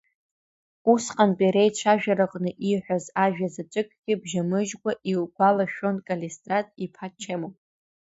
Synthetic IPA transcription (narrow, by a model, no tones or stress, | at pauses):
usqʼanpʼeɾejt͡ʃʷʰaʒᶣaɾɨqʼnɨʔiħʷᶣazaʒᶣazat͡ʃʷʼɨkʼɡ̥ʲɪbʒamɨʒɡʷaʔilɡʷalaʃᶣonkʼalestʼratʼipʰat͡ʃʰemop